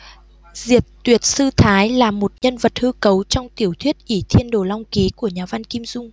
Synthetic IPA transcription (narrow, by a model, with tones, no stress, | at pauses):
zi˨˩ət̚t̪wi˨˩ət̚sɨ˧t̪ʰaː˨˦jlaː˨˩mo˨˩t̚ɲə˧nvə˨˩t̚hɨ˧kə˨˦wt͡ɕɔ˧wŋ͡mt̪i˧˩əwt̪ʰwi˦˥ət̚ʔi˧˩t̪ʰi˧ənɗo˨˩la˧wŋ͡mki˨˦ku˧˩əɲaː˨˩va˧nki˧mzʊ˧ŋ͡m